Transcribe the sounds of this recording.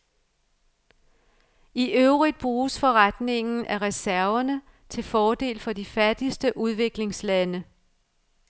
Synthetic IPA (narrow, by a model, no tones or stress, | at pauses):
iʔøʊʁid̥̚b̥ʁuːsfɒ̽ʁad̥ne̝ŋn̩ʔæʁɛsæɐɐnə | t͡sʰe̝lfɒːd̥e̝̰ːlfɒ̽d̥ifæd̥isd̥əʔuð̞ˠʋe̝ɡ̥le̝ŋslænə